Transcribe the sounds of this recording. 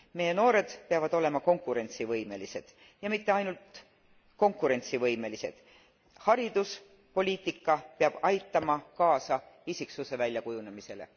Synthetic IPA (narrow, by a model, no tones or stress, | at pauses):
me̞je̞no̞ːɾe̞d̪̥peɑvɑd̪̥o̞le̞mɑko̞ŋkːˑuɾe̞nʲt̪sivɤjme̞lise̞d̪̥ | jɑmit̪ːe̞ɑjnult̪ | ko̞ŋkːˑuɾe̞nʲt̪sivɤjme̞lise̞̰d̪̥ | hɑɾid̪̥us | po̞lʲiːt̪ːˑikːɑpeɑb̥ɑjt̪ːˑɑmɑkɑːsɑisiksuse̞vælʲjɑkujunemise̞lḛ